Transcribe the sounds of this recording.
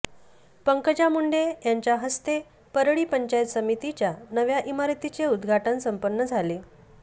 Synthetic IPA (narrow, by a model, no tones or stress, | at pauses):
pəŋkəd͡ʑamuɳɖejaɲt͡ɕjaɦəst̪e | pəɾɭiːpəɲt͡ɕajət̪səmit̪it͡ɕjanəʋjaʔimaɾt̪it͡seud̪ɡʱaʈənsəmpənːəd͡zʱale